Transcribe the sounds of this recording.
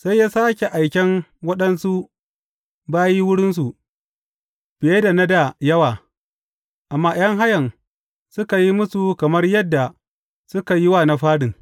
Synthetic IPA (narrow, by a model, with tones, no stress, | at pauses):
sa˦jːaː˦saː˦kʲe˨ʔa˨jkʲɛ˦nwɐ˦ɗɐ˦nsu˦ | baː˦ji˦wʊ˦ɽɪ˦nsu˨ | b̥ɪ˨je˦da˨na˦da˨jɐ˦waː˨ | ʔa˨mːaː˦j̰ɐ˦ŋɦa˦jɐ˨n | sʊ˦ka˨ji˦mʊ˦su˨kɐ˨mɐ˦rjɐ˦dːa˨ | sʊ˦ka˨ji˦waː˦˨na˨ɸaː˦ɽɪ˨ŋ